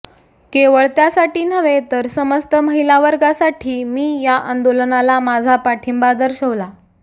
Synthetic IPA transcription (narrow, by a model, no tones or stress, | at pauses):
keʋəɭt̪jasaʈiːnəʋet̪əɾsəməst̪əməɦilaʋəɾɡasaʈʰiːmiːjaʔand̪olənalamad͡zʱapaʈʰimbad̪əɾɕəʋla